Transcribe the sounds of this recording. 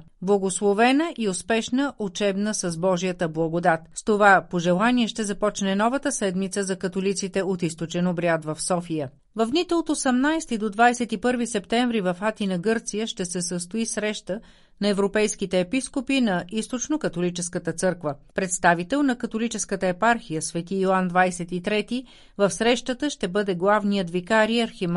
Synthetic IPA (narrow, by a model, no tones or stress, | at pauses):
blˠɐɡoslˠovɛnəʔiospɛʃnəʔot͡ʃɛbnəsəzbɔʒijət̪əblˠɐɡod̪at̪st̪ovapoʒɛlˠaniɛʃt̪ɛzɐpɔt͡ʃnɛnɔvət̪əsɛd̪mit̪səzɐkət̪olit̪sit̪ɛot̪ist̪ot͡ʃɛnobɾiat̪vɐfsɔfijə | vɐfd̪nit̪ɛlˠot̪oosɐmnajsɛt̪id̪od̪vajsɛt̪ipɤɾvisɛpt̪ɛɱvɾivɐfat̪inɐɡɤɾt̪sijəʃt̪ɛsɛsəst̪oisɾɛʃt̪ə | nɐɛvɾopɛjsk̟it̪ɛːpiskopinɐʔist̪ot͡ʃnokət̪olit͡ʃɛskət̪ət̪sɤɾkvəpɾɛt̪st̪avit̪ɛlˠnɐkɐt̪olit͡ʃɛskət̪əɛpaɾxijəsvɛt̪ioand̪vajsɛt̪it̪ɾɛt̪i | vɐfsɾɛʃt̪ət̪əʃt̪ɛbɤd̪ɛɡlˠavnijəd̪vikaɾiɐɾxim